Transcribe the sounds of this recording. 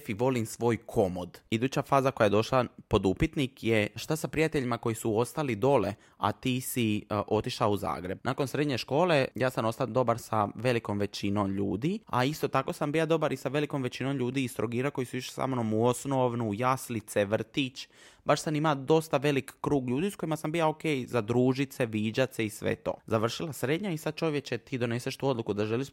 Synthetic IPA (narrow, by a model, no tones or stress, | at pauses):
fiʋo̞limsʋo̞ːjkʰo̞mod̪id̪uːt͡ɕafaːzako̞jaje̞d̪o̞ʃlapo̞d̪upit̪nikjeʃt̪asapɾijat̪eʎimako̞jisuo̞st̪alid̪o̞le̞̰ | a̰t̪iːsiʔo̞t̪iʃlauza̰ːɡɾe̞b̚naːko̞nsɾe̞d̪ɲe̞ʃko̞ːle̞jaːsano̞st̪ad̪o̞baɾsaʋe̞liko̞mʋe̞t͡ɕinomʎuːd̪ia̰ist̪o̞t̪akosambijad̪o̞baɾisaʋe̞liko̞mʋe̞t͡ɕinomʎuːd̪iːst̪ɾoɡiːɾako̞jisuiʃe̥sa̰mnomuosnoʋnujaslit̪seʋrt̪it͡ʃ | baʃsamimad̪o̞st̪aʋe̞likːɾuːɡʎuːd̪isko̞imasambijaoke̞jzad̪ɾuːʒit̪se̞ʋiːd͡ʑat̪se̞isʋḛt̪o̞̰ːzaʋr̩ʃilˠasɾe̞d̪ɲaisad̪̚t͡ʃo̞ʋjet͡ɕet̪iːd̪o̞neseʃt̪uːo̞d̪lˠukud̪aʒeliʃ